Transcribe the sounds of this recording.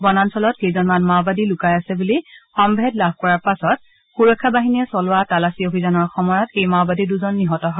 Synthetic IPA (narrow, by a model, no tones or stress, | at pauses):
bɔnansɔlɔtkejzɔnmanmawbadilʊkajasɛbulixɔmbʱɛdlab̚ʱkɔɹaɹpasɔt̚ | xuɹɔkʰːabaɦiniɛsɔlʊwatalasiobʱizanɔɹxɔmɔjɔtejmawbadiduzɔnːiɦɔtɔɦɔ